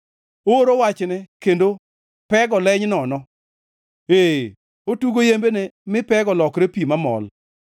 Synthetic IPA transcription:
oɾowat͡ʃnɛkendo | pɛɡɔlɛɲnɔnɔ | e | otuɡojembenemɪpɛɡɔlɔkɾepimamɔ̰l

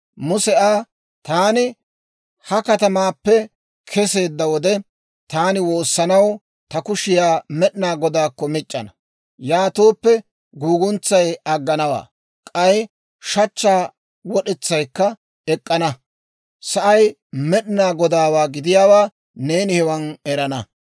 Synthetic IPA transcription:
mʊsɛʔaː | t̪aːnɪ | hɐkɐt̪ɐmaːpːɛ | kʰɛse̞ːd̪ːɐwɔd̪ɛ | t̪aːnɪwo̞ːsːɐnɐw | t̪ɐkʊʃɪjaːmɛɗnaːɡɔd̪aːkːɔmɪt͡ʃʼːɐ̰nɐ | jaːt̪oːpːɛ | ɡuːɡʊnt͡sːɐjɐɡːɐnɐwa̰ː | kʼɐj | ʃɐt͡ʃːaː | wɔɗɛt͡sːɐjkːɐ | ɛkʼːɐnɐ | sɐʔɐj | mɛɗnaːɡɔd̪aːwaːɡɪd̪ɪjaːwaː | ne̞ːnɪhɛwɐnɛɾɐnɐ

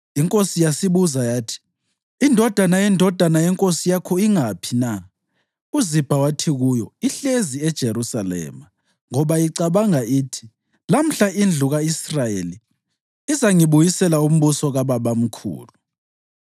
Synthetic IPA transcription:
iŋkʼosijasiβuzajaːtʰi̥ː | ndʱɔd̥ʱanajɛndʱɔd̥ʱanajɛŋkʼosijakʰɔiŋapʰina | uzib̥ʱawatʰiɣujɔiɬeziɛd̥ʒ̥ʱeɾusalɛ̰ːma | ŋɔβajiǀaβaŋaiːtʰi̥ | lam̩ɬaʔind͡ɮʱuɣaisrajḛli | izaŋiβujisɛlaum̩βusɔɣaβaβam̩kʰṵːlu

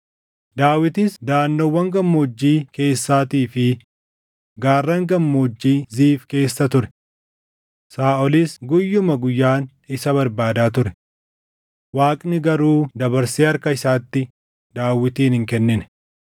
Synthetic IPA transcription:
d̪aːwɪt̪isd̪aːnːɔwːɐŋɡɐmːoːd͡ʒːiːke̞ːsːaːt̪iːfɪ | ɡaːrːɐŋɡɐmːoːd͡ʒːiːziːfke̞ːsːɐt̪ʊɾɛ̥ | saːɔlisɡʊjːʊmɐɡʊjːaːn | ɪsɐbɐɾbaːd̪aːt̪̬ʊɾɛ | waːkʼnɪɡɐɾuːd̪ɐbɐɾseːɐɾkɐɪsaːt̪ːɪ | d̪aːwɪt̪iːnhɪŋkɛnːɪnɛ

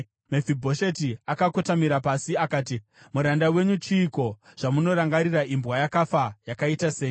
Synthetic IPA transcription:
mefibʱo̞ʃe̞tiakakotamiɾapasiakaːti | muɾandawe̞ɲut͡ʃiːko̞ʐ̥amuno̞ɾaŋɡaɾiraʔimbwajakafajakaitase̞ːj

